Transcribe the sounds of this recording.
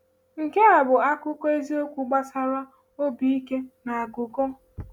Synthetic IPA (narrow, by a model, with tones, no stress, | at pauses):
ŋ̩˨ke˦a˨bʊ˨a˦kʊ˦kɔ˦e˦zi˦o˦kʷu˨ɡ͡ba˦sa˦ɾa˦ | o˦bi˦i˦ke˦na˨a˨ɡʊ˨ko˦